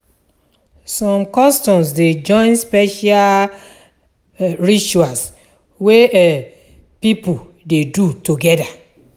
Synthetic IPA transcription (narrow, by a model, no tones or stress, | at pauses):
sɔ̃mkɔstɔ̃msded͡ʒɔ̃ɪ̃nspɛʃa | ɹit͡ʃuas | we | pipu | dedutuɡɛda